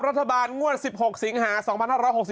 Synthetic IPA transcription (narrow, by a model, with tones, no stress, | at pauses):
p̚ɾa˦˥t̪ʰːa˧baː˧nŋu˥˩ət̪̚si˨˩p̚ho˨˩k̚si˨˩˦ŋhaː˩˦sɔː˩˦pʰa˧nhaː˥˩ɾɔː˧˥jho˨˩k̚si˨˩